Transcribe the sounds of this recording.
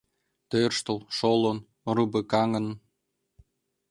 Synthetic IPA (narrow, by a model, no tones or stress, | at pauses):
t̪ørʃt̪ə̆lˠʃolŏn | rubekɑŋə̆n